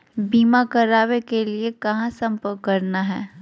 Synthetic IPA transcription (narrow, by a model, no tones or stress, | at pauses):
biːmakɐɾaːwekeliekɐɦãsɐ̃mpəkɐɾnaɦɛ̰ː